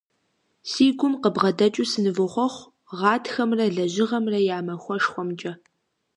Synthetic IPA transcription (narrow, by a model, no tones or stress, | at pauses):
siːɡʷʊmqəbʁɐdɐt͡ʃʼʊsɨnɨvɨχʷɔχʷ | ʁɑːtʰxɐmrɐɮɐʑɪʁɐmrɐjaːmɐxʷɔʂxʷɔmt͡ʃʼɐ